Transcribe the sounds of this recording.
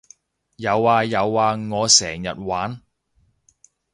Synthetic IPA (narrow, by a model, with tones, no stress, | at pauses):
jɐ˨˧waː˨˧jɐ˨˧waː˨˧ŋɔː˨˧sɛː˨˩ŋjɐ̰˨t̚waː˨˥n